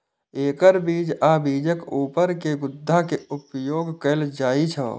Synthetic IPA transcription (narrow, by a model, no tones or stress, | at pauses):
eːkəɾbiːd͡ʒabiːd͡ʒəkuːpəɾkeɡʊd̪ʱːakeʊpjoːɡkəld͡ʒaːit͡ʃʰə̰̃